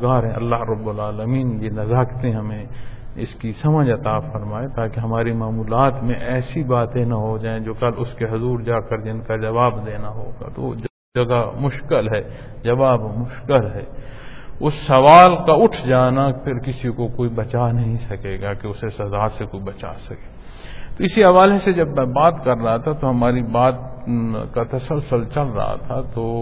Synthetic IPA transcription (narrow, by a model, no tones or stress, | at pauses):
ɡaːɾɦɛ̃ɐ̰lːaːɦɾɐbːʊlaːləmiːnjenɐzaːkt̪ẽɦɐmẽɪskisɐməd͡ʒɐt̪afɐɾmaːet̪aːkeɦɐmaːɾimaːmuːlaːt̪mẽʔɛːsibaːt̪ẽnaɦod͡ʒaːẽd͡ʒoːkɐlʊskeɦʊzuːɾd͡ʒaːkəɾd͡ʒɪnkad͡ʒɐʋaːbd̪eːnaɦo̰ːɡa̰t̪o | d͡ʒɐɡamʊʃkɪlɦɛː | d͡ʒɐʋaːbmʊʃkɪlɦɛː | ʊsːɐʋaːlkaʊʈʰd͡ʒaːnapʰɪɾkɪsikokoːibɐt͡ʃanɐɦĩsɐkeːɡakeʊsesɐzaːsekoːibɐt͡ʃa̰sɐkeː | t̪oɪsiɐʋaːlesed͡ʒɐbːaːt̪kɐɾːɐɦat̪ʰat̪oɦɐmaːɾibaːt̪kat̪ɐsəlsəlt͡ʃɐlɾɐ̰ɦa̰t̪ʰat̪oː